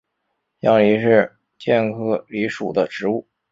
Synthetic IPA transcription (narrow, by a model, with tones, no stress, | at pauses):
jɑ˥ŋli˧˥ʂɻ̩˥˧ | t͡ɕjɛ˥˩nkʰɤ˥li˧˥ʂu˨˩d̪ə˦ʈ͡ʂɻ̩˧˥u˥˩